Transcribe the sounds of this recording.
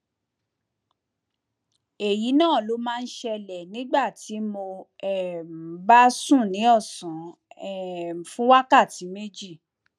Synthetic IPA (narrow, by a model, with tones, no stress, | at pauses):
e˨ji˨˦nãː˦˨lo˧˦mãː˦˧n̩˦ʃɛ˧lɛ˨nĩ˨˦ɡ͡ba˦˨ti˨˦mo˧ɛ˨m˨ba˦sũ˦˨nĩ˨˦ɔ˦˨sã˨˦ɛ˨fũ˦wa˦ka˦˨ti˨˦me˦d͡ʒi˦˨